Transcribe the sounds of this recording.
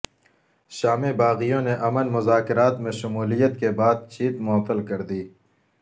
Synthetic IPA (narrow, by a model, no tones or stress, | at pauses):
ʃaːmebaːɣijõneʔɐmənmʊzaːkɪɾaːt̪mẽʃɐmuːlijət̪kebaːd̪̚t͡ʃiːt̪mʊət̪ːəlkɐɾd̪iː